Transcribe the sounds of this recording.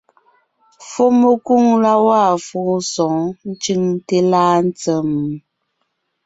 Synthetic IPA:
fo˦mə˨ku˦˨ŋla˦wa˦˨fu˦sɔ̃˨ŋn̩˦t͡ʃi˦ŋte˦laː˦n̩˦t͡sə˦˨m˨

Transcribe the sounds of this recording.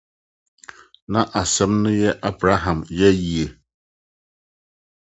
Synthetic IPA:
na˦ʔa˨sɛ˨˦mnɨ˦jɛ˦ʔa˦bɾa˨˦ɦa˨mjɛ˦ji˦˨e˨

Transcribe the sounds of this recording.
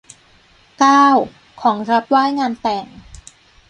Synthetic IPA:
kaː˥˩w | kʰɔː˩˦ŋɾa˦˥p̚waː˥˩jŋaː˧nt̪ɛː˨˩ŋ

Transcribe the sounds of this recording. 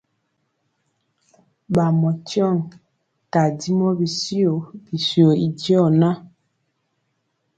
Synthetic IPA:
ba˨mɔ˨tjɔ˦˨ŋ | ta˨di˦mɔ˦bi˨si˦o˨bi˨si˨o˨i˨dɔ˦˨na˦

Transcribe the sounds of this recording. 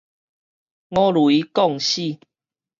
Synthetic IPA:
ŋɔ̃˦lwi˨˦kɔ˥˨ŋɕi˥˨

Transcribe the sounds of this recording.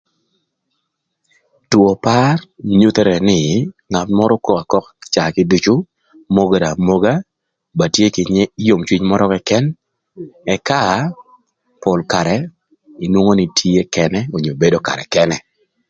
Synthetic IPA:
two˨pa˦rɲu˦t̪e˦ɾɛ˨nɪ˨ŋa˨tmɔ˦ɾɔ˦ko˦ka˨kɔ˦kt͡ʃa˨kɪ˦du˦t͡ʃu˦ | mo˦ɡe˨ɾa˨mo˦ɡa˦ | ba˨tje˦kɪ˨˦jo˨mt͡ʃwi˦ɲmɔ˦ɾɔ˦kɛ˦kɛ˦n | ɛ˨ka˦ | pɔ˨lka˨ɾɛ | ɪ˨nwo˦ŋo˦nɪ˨tʰi˦e˦kɛnɛ˦o˨ɲo˨be˦do˦ka̰˨ɾɛ̰˨kɛnɛ˨

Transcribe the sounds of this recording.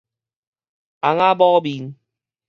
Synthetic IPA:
a˨ŋa˦bɔː˦bi˨n

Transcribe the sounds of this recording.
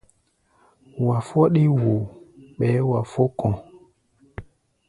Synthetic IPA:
wa˨fɔ˦ɗi˦wo˨ɓɛ˨˦wa˨fo˦kɔ̃˨

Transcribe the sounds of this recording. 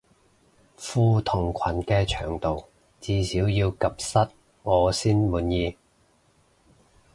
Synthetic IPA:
fuː˧t̪ʰʊ˨˩ŋkʷʰɐ˨˩nkɛː˧t͡ʃʰœ̰ː˨˩ŋt̪o˨w | t͡siː˧siː˨˥wjiː˧wkɐ˨p̚sɐ˥t̚ | ŋɔː˨˧siː˥nmuː˨njiː˧

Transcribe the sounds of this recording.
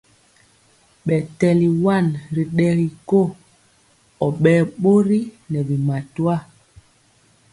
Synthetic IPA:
ɓɛ˨tɛ˨li˨wa˦˨nɾi˨ɗɛ˨ɣi˨ko˦ | ɔ˨ɓɛː˦ɓo˦ɾi˦nɛ˨bi˨ma˨twa˦

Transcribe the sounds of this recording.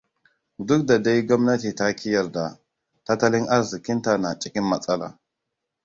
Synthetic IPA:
du˦k̚da˨da˦jɡo˦mna˦ti˨ta˦kʰi˦ja˨ɾda˨ | ta˦ta˦li˦na˦ɾzi˨ki˦nta˨na˨t͡ʃʼi˨ki˦nma˨t͡sʼa˦la̰˨

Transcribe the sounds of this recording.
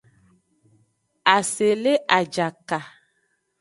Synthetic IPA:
a˨se˨le˦ʔa˨d͡ʒa˨ka˨

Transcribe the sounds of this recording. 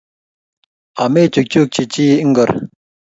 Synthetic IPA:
ʔa˩˨me˥˨t͡ɕu˩˨k̚t͡ɕu˥˨k̚t͡ɕi˩˨t͡ɕi˥ŋɡə˨r

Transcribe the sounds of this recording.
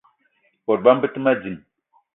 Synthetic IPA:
ɓɔ˨t̚ba˦m̩˦bɨ˦ti˦ma˦d͡zi˨m

